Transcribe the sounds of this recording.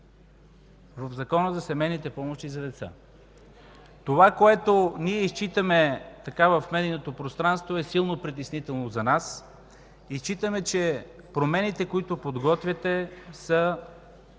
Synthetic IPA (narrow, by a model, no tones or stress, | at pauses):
vəvzɐkɔnəzɐsɛmɛjnit̪ɛpɔmoʃt̪izɐd̪ɛt̪sa̰ | t̪ovakoɛt̪oniɛist͡ʃit̪əmɛt̪ɐkavəfmɛd̪inot̪opɾost̪ɾanst̪voɛsilˠnopɾit̪ɛsnit̪ɛlˠnozɐnas | ist͡ʃit̪əmɛt͡ʃɛ | pɾomɛnit̪ɛkoit̪opod̪ɡɔt̪vʲɐt̪ɛsə